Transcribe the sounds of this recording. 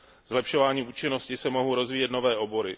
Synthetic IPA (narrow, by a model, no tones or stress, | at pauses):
zlɛpʃo̞vaːɲiːuːt͡ʃɪno̞scɪsɛmo̞ɦowɾo̞zviːjɛt̪no̞vɛːʔo̞bo̞ɾɪ